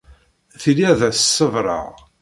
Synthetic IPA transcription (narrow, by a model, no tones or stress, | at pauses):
θiliæðæsəsːəvɾˤɑ̰ʁ